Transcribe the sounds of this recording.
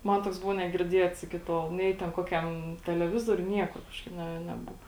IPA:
ˈmɐn ˈtoːks ˈbʊʋoː nʲɛɡʲɪrʲˈdʲiɛts ˈɪkʲɪ ˈtoːlˠ ˈnʲɛɪ tʲɛn ˈkoːkʲɛm tʲɛlʲɛˈʋʲɪzoːrʲʊj ˈnʲiɛkʊr ˈkɑːʃkɐɪp ˈnʲɛ nʲɛˈbʊʋɐ

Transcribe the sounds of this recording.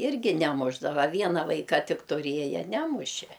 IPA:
ˈɪrʲɡʲɪ nʲɛˈmʊʒdɐʋɐ ˈʋʲiɛnɐ ˈʋɐɪkɐ ˈtʲɪk tʊˈrʲiɛjɛ ˈnʲæːmʊʃʲeː

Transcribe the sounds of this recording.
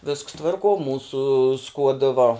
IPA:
ʋʲɪsks ˈtʋɐrkuɔ ˈmuːsʊ ˈskuɔdɨ ʋɐ

